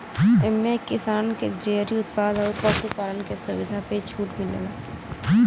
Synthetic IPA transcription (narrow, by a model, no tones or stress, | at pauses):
ɛmːekːɪsaːnked͡ʒɾeːɦɾiʊt̪paːd̪ɔːɾpəst̪upaːlənkesʊʋɪd̪ʱapet͡ʃʰuːʈmɪlḛɡaː